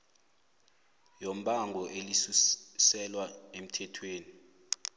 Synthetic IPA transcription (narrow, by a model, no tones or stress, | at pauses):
jom̩ɓʱaŋɡʱɔʔelisusɛlwaem̩tʰɛtʰweːni